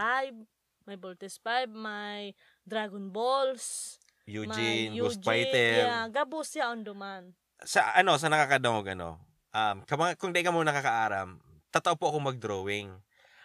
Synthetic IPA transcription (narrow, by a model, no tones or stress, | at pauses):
ajb̚ | mɐjbolt̪ɛspajb̚maj | d̪ɾaɡonbols | juːmd͡ʒɪnod͡ʒpajt̪ɛɾɡɐbʊsjaʔond̪ʊman | sɐʔɐno̞s̬ɐnɐkakɐd̪ɐŋoɡʔɐno̰ | ʔɐmkɐmɐŋakʊŋd̪ɐʔɪkamoŋnɐkakɐʔaːɾɐ̰m | t̪at̪ɐʔopoʔɐkoŋmɐɡ̚d̪ɾoːwɪŋ